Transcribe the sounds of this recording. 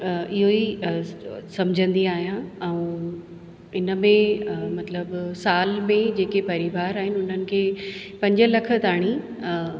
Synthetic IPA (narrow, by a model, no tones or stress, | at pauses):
ɪɦoi | sɐmd͡ʑʱə̃nd̪iaːɦijãɛ̃ũ | ɪnəmẽmɐt̪ləbsaːlmẽd͡ʑeːkepɐɾɪʋaːɾaːɦɪnɪʊn̤ənɪ̆kʰeːpɐ̃ɲd͡ʑəlɐkʰə̆t̪aːɽ̃i